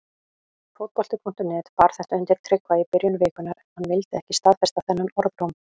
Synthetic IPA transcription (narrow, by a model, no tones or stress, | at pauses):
fowt̪̚kɔl̥t̪ʏpʰɔn̥t̪ʏnɛːt̪paːɾ̥θɛht̪œjnt̪ɪɾ̥t̪ʰɾɪkvaipɪɾjʏnvɪːkʏnaɾɛnhanːvɪlt̪ɪɛhcɪ̥st̪aðfɛst̪aθɛnːʏnɔɾðɾowm